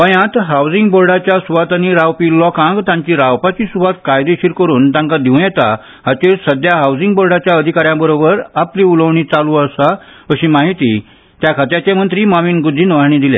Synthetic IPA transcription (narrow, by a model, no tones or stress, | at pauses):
ʋəjãt̪ɦawd͡zĩŋɡboɾɖat͡ɕjasuʋat̪əniɾawpiːlɔkãŋɡt̪ãɲt͡ɕiːɾawpat͡ɕiːsuʋat̪̚kajd̪eɕiɾkəɾuːnt̪ãŋkad̪iũjɛt̪a̰ | ɦat͡ɕeɾsəd̪jaɦawd͡zĩŋɡ̚boɾɽat͡ɕjaəd̪ʱikaɾjãbəɾobəɾapliuləʋɳ̃it͡saluəsaəɕimaɦit̪ḭː | t̪jakʰat̪jat͡ɕemənt̪ɾiːmamiːnɡud̪ʱːiːnʋaɳ̃iːd̪ilḛ̃